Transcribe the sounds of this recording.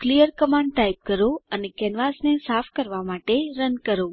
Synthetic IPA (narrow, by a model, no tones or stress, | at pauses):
klijəɾkəmãɳɖʈajp̚kəɾoənekɛnʋasnesafkəɾʋamaʈeɾənkəɾo